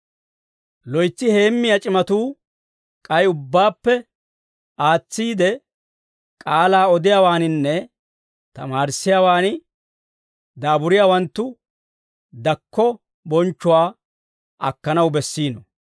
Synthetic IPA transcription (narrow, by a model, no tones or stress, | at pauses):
lɔjt͡sːɪhe̞ːmːɪjat͡ʃʼɪmɐt̪uː | kʼɐjʊbːaːpːɛ | ʔaːt͡sːiːd̪ɛ | kʼaːlaːɔd̪ɪjaːwaːnɪnːɛ | t̪ɐ̰maːɾsːɪjaːwaːnɪ | d̪aːbʊɾɪjaːwɐnt̪ːʊ | d̪ɐkːɔ | bɔnt͡ʃːʊwaː | ʔɐkːɐnɐwbɛsːiːnɔ